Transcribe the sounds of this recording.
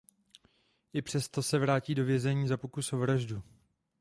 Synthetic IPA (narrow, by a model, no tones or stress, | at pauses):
ʔɪpr̥ɛst̪o̞sɛvɾaːciːdo̞vjɛzɛɲiːzapo̞kusovɾaʒdu